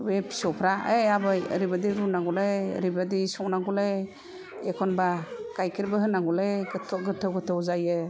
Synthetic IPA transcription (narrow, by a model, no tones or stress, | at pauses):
wepʰi̥sɔpʰɾaeabaə̰ɾibadiɾunaɡulej̰ɾibadisɔŋnaɡulej | ekʰɔnbakajkʰiɾbaɦɯnaɡulejɡɯtʰɔɡɯtʰːɯwɡɯtʰɯwzajɯ